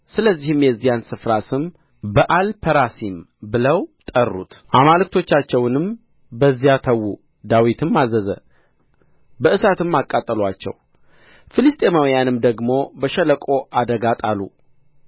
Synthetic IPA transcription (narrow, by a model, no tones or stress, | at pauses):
sɨləzːihɨmjɛzːijansɨfɾasɨm | bəʔalpʰəɾasimbɨləwt̪ʼərːṵt̪ʔamalɨk̚t̪ʰo̞t͡ʃːat͡ʃːɛwnɨm | bəzːijat̪ʰəwːu | d̪awit̪ʰɨmːazəzə̰ | bəʔɨsat̪ɨmːakʼːat̪ʼːəlwat͡ʃːɛ̰w | filɨst̪ʼemawjanɨmd̪əɡmo̞bəʃɛləkʼo̞ʔad̪əɡat̪ʼalṵ